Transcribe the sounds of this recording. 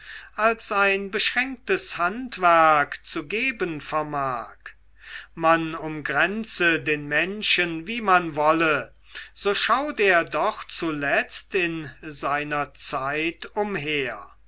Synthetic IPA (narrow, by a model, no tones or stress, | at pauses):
ʔalsaɪnbəʃʁ̥ɛŋk̚təshantv̥æɐkt͡suɡeːbənfɛɐmaːk | manʊmɡʁɛnt͡sədeːnmɛnʃənviːmanvɔlə | z̥oːʃaʊteːɐdɔχt͡sulɛt͡stɪnzaɪnɐt͡saɪtʊmɦeːɐ